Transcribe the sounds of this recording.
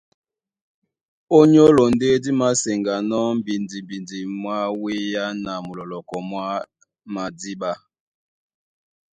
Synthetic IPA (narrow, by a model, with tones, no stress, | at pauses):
o˦ɲo˦lo˨nde˦di˦ma˦se˨ŋɡa˨nɔ˦m̩˦bi˨ndi˨bi˨ndi˨mwa˦we˦ja˦na˨mu˨lɔ˨lɔ˨kɔ˨mwa˦ | ma˨di˦ɓa˦